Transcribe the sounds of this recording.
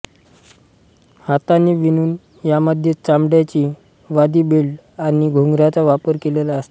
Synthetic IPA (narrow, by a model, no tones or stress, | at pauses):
hat̪anːiʋinuːn | jaməd̪ʱjet͡samɽjat͡ɕiː | ʋad̪iːbelɖ | añiɡʱuŋɡɾat͡saʋapəɾkelelaəst̪ḁ